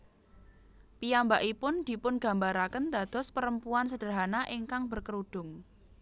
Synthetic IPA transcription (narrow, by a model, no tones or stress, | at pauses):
piambaʔipʊnd̪̥i̤pʊnɡ̥a̤mbaɾakənd̪a̤d̪̥ɔ̤spəɾəmpuansəd̥ə̤ɦanaʔiŋkaŋb̥ə̤rkəɾuɖ̪̥ʊ̤ŋ